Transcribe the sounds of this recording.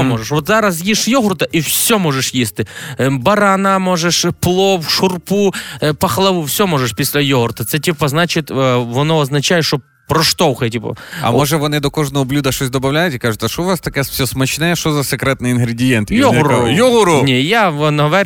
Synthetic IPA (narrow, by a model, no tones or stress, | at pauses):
omoʐəʂʋot̪zaɾɐsjiʂjoɦʊrt̪ɐʔifsʲomoʐɛʂjisʲt̪ɪbɐɾanamoʐɛʂplˠopʂʊrpupɐxlˠɐʋufsʲomoʐəʂpʲɪsʲlʲɛjoɦʊrt̪ɐt̪sɛtʲipɐznat͡ɕɪt̪ʋɐnoɐznɐt͡ɕajɪʂt̪o | pɾɔʂt̪oxɛtʲipɐ̰ɐ̰moʐɛʋɐnɛd̪okoʐnɐʊblʲud̪ɐʂosʲd̪ɐbɐvlʲæjɪt̪ʲɪkaʐɨt̪ɐʂovʋast̪ɐkjɛsfsʲosmɐt͡ɕnajɛʃʂozɐsɨkɾɛt̪nɨɪnɦɾʲɪdʲɪjent̪jonʲʊɾʊjoɦʊɾʊnʲejaonɐɦɐʋɛɾʲ